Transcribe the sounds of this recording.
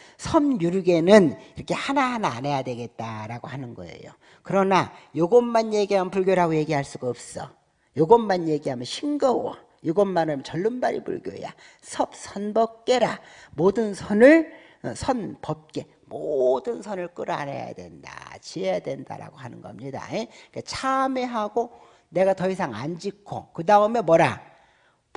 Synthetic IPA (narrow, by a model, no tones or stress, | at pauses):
sʰʌnjuɾɡe̞nɯniɾʌkʰe̞hanaɦanaane̞jadwe̞ɡe̞t̚t͈aɾaɡohanɯnɡʌ̰e̞̰jo | kɯɾʌnajoɡʌnːanje̞ɡiɦampuɭɡjoɾaɡoje̞ɡiɦaɭs͈uɡaʌp̚s͈ʌ | joɡʌmːanje̞ɡiɦamjʌnɕʰiŋɡʌwʌ | joɡʌnːanɯt͡ɕʌɭːɯnbaɾḭpṵɭɡjo̰ja̰ | sʰʌp̚sʰʌnbʌp̚k͈e̞ɾamodɯnsʰʌnɯɭ | sʰʌnpʌp̚k͈e̞ | modɯnsʰʌnɯɭk͈ɯɾa̰nḛja̰dwe̞̰nda̰t͡ɕiejadwe̞nda̰ɾa̰ɡoɦhanɯnɡʌmɲida̰ek͈at͡ɕʰame̞ɦaɡo | ne̞ɡatʌis̬ʰaŋand͡ʑikʰo̰kɯdaɯme̞mwʌɾa